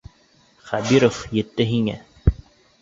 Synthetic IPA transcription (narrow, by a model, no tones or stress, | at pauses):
χæbiɾofjɘ̆t̪ːɘɦiŋæ̰